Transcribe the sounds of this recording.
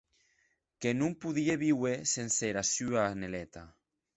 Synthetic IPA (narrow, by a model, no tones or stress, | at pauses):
kenũmpuðieβiwesenseɾasyanelet̪a